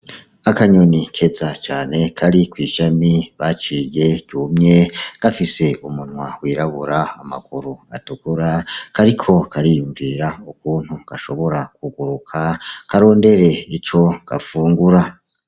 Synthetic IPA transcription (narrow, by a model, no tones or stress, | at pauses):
akaɲonikʰe̞zat͡ʃaːne̞kʰaɾikwiːʃamiβat͡ʃije̞ɟ̥uːmɲe̞ɡ̥afise̞umunwawiːɾaβuɾaama̰kuɾua̰tukuɾakaɾikʰo̞kʰaɾijuːɱviɾaukuːnhuɡ̥aʃo̞βo̞ɾakuɡuɾukʰakʰaɾo̞ːnde̞ɾe̞it͡ʃo̞ɡ̥a̰fuːŋɡuɾa